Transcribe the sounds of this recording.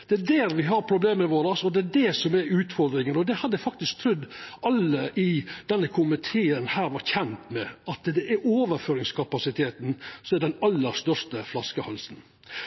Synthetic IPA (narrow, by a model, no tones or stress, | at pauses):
d̪̥ɛæɖæːɾʋɪɦɑɾpʰɾʊbleːməʋoːɾɑsɔd̪ɛæɖɛsɔmɛɾʉːt̪fɔɾd̪ɾɪŋənɔd̪ɛhɑd̪ːəfɑk̚t̪ɪsk̚t̪ʰɾʉd̪ːʔɑlːəʔɪd̪̥ɛnːəkʰʊmɪt̪ʰeːənhæːɾʋɑɾçɛnt̪mɛɑt̪d̪ɛʔɛɾoːʋəɾføːɾɪŋskʰɑpɑsɪt̪ʰeːt̪n̩sɔmɛdɛnɑlːəɾʂt̪œʂtəflɑskəhɑlsn̩